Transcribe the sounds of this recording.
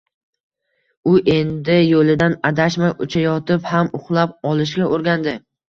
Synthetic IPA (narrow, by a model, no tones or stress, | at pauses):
ʊʔe̞nd̪ɪjolɪd̪anad̪aʃmaʔʊt͡ʃʰajɒt̪ɪphamʊχlˠap̚ɒlˠɪʃ̬ɡʲaʔoɾɡʲand̪ɪ